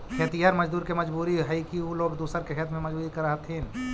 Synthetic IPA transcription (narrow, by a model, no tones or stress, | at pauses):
kʰet̪ijəɾməd͡ʒd̪uːɾkeməd͡ʒbuɾiɦəjkiuloɡd̪usəɾkeɦʰet̪mẽməd͡ʒbuːɾikəɾəɦət̪ʰɦin